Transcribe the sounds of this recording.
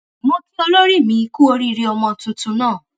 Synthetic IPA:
mɔ̃˧ki˦ɔ˧lo˦ɾi˦˨mĩ˧˦˧ku˦o˧ɾi˦˧ɾi˧ɔ˧mɔ̃˧tũ˧tũ˧nãː˦˨

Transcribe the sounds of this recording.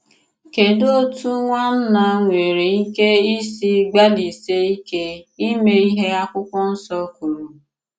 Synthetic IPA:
ke˨do˦tu˦ŋʷa˦n̩˦na˨ŋʷe˨ɾi˨i˦ke˦i˦si˦ɡ͡ba˦li˨se˦i˦ke˦i˦me˦i˦ɦe˦a˦kʷʊ˦kʷɔ˦n̩˦sɔ˦ku˨ɾu˨

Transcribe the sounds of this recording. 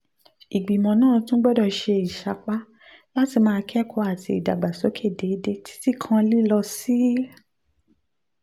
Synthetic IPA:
i˨ɡ͡bi˨mɔ̃˨nãː˦˨tũ˦ɡ͡bɛ˦dɔ˧˨ʃe˧i˨ʃa˧˨k͡pa˦ | la˦ti˧mãː˧kʰɛ˦kʰɔ˧˦a˦˨tḭ˧i˨da˨ɡ͡ba˨so˨˦kʰe˦˨de˨˦de˧˦tʰi̥˦ti˦˨kʰã˧li˦lɔ˧si˦

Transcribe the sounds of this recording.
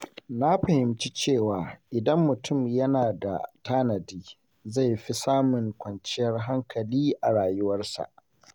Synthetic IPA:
na˦ɸɐ˨hɪ˨mt͡ʃi˦t͡ʃeː˦˨waː˨ʔɪ˨dɐ˦mːʊ˨tʊ˦˨mjɐ˦naː˨da̰˨taː˦nɐ˨diː˦ | za˦˨jɸi˦saː˦mʊ˨ŋkʷɐ˨nt͡ʃɪ˦jɐ˦rɦa˦ŋkɐ˨liː˦ʔa˨ɽaː˨jʊ˦wɐ˦rsa̰˨ʔ

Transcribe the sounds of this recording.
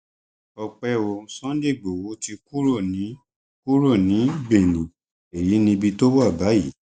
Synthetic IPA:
ɔ˧k͡pɛ˧wo˧˨sɔ̃˦de˦˨ɡ͡bo˨wo˨˦ti˧ku˦ɾo˦˨nĩ˨˦ | ku˦ɾo˦˨nĩ˨˦be˨nĩ˨ | e˨ji˨˦nĩ˧bi˧to˦wa˦˨ba˨˦ji˨˦

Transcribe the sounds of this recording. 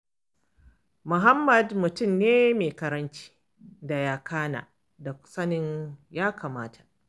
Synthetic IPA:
mʊ˨ɦa˦mːɐ˨dmʊ˨tʊ˦˨mneː˦meː˨kɐ˨ɾɐ˦nt͡ʃi̥ː˦ | da˨jaː˦kʰaː˦na̰ː˨ | da˨kʷʊ̥˦sɐ˦nɪ˦ɲjaː˦kaː˨maː˦tʰa˨

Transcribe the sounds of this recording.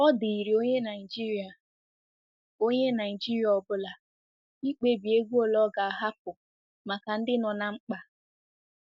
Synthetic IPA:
ɔ˦di˨i˨ɾi˨o˦ɲe˦na˨ɪ˨d͡ʒi˦ɾi˨a˨ | o˦ɲe˦na˨i˨d͡ʒi˦ɾja˨ɔ˨bʊ˦la˨ | i˦k͡pe˦bi˨e˦ɡʷu˦o˦lɔ˦ɡa˨a˨ɦa˦p̚ʊ˨ | ma˨ka˨n̩˦dɪ˦nɔ˨na˨ŋ͡m̩˦k͡pa˨

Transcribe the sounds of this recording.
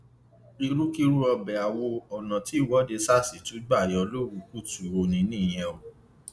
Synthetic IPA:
i˧ɾu˦ki˦ɾu˦ɔ˧bɛ˨a˨wo˧ɔ˨nã˨ti˨˦˨wɔ˨˦de˧sa˦˨si˨tu˨˦ɡ͡ba˦˨jɔ˧lo˦wu˧˦ku˦˨tu˨o˧nĩ˧˦nĩ˦˨j̃ɛ̃˧o˨

